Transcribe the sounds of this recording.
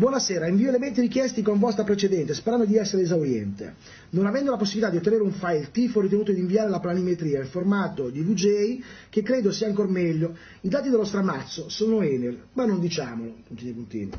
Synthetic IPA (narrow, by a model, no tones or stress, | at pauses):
bwɔnaseːɾaiɱviːoelement̪iɾikjɛst̪ikoɱvɔst̪apɾet͡ʃed̪ɛnt̪espeɾand̪od̪iɛsːeɾeːzawɾjɛ̰nt̪ḛ | nonavɛnd̪olap̬osːibilit̪ad̪iot̪ːeneːɾeuɱfajlt̪ifurːit̪̬enuːt̪od̪iɱviaːɾelaplalimet̪ɾiːaiɱformaːt̪od̪ivud͡ʒɛjkekːɾeːd̪osiːaŋkormɛʎːo | id̪aːt̪id̪elːost̪ɾamat̪sːosoːnoɛːnermanːond̪it͡ʃaːmolopunt̪inipunt̪ḭːnḭ